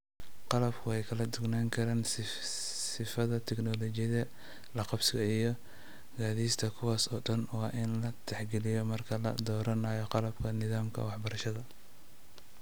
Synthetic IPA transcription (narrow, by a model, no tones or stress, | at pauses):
qɑlɐbkʰʊɛjkʰɐlɐd̪ʊɡnaːŋkʰɐɾaːns | sɪfɐðɐt̪ʰɛknɔlɔt͡ʃɪjɐðɐ | lɑqɑbsɪɣɐijɔ | ɡaːðiːst̪ʰɐkʰʊwaːsɔːɖɐnwɑːʔɪnlɐt̪ʰɛħɡɛlɪjɔmɐrkʰɐlɐ̰d̪ɔːɾɐnaːjɔqɑlɐbkʰɐnɪðaːmkʰɐ̰wɑħbɐɾɐʃɐðɐ